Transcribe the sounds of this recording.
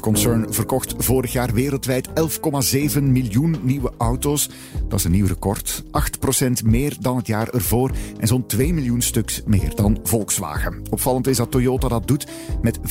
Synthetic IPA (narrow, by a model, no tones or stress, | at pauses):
kɔnsɛɹnvərkɔxtvoːɾəxjaːrʋeːɾəlˠtʋɛjtɛlˠfkɔmaːzeːvənmiljunːiwəʔʌwtoːs | d̥ɑzənːiwrəkɔrtʔɑxtprosɛntmɪːrdɑnɦətjaːrɛrvoːrʔɛnzɔntʋeːjmilˠjunstɵksmḛːrdɑnvɔlˠksʋa̰ːɣəɔpfɑlˠəntɪzdɑtːojoːtadɑt̚dut | mɛt